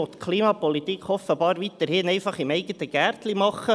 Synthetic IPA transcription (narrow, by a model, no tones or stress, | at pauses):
ɔt̪kʰliːmɑpɔlit̪ikʰɔfəbɑːɾʋit̪əɾhɪnɛɪfɑχɪmɛɪɡət̪əɡ̥æːrtlimɑχːə